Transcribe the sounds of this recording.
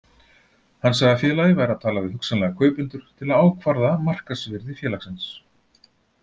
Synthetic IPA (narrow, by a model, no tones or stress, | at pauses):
hanːs̬aɣðafjɛːlajðɪvajɾaðt̪ʰaːlavɪðhʏksanlɛɣakʰœːɥpʏnt̪ʏɾ̥t̪ʰɪlaðaːwkʰvaɾðamar̥kasvɪɾðɪfjɛːlaxsɛns